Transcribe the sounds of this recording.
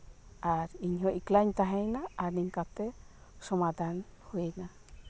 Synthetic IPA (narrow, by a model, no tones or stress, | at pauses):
aɾiɲɦɔʔiklaɲt̪aɦɛjnaːɾniɲkat̪ɛsɔmad̪ʱanhuina